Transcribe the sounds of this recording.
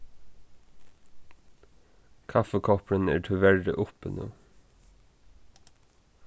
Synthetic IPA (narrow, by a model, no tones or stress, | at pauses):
kʰɑfəkʰɔpɽənæ̰ːʈʰɪʋæɭɖəʔʊpə̰no̰ː